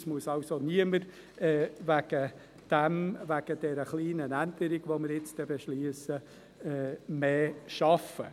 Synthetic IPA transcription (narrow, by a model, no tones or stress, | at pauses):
smuəsɑʊsoniəməɾ | ɛːvæɡ̥ə | d̥ɛmvæɡ̥əd̥ɛɾəχliːnənændəɾiɡʋoməɾɪt͡stɛbeʃliəsə | ɛːmeːʃɑfə̰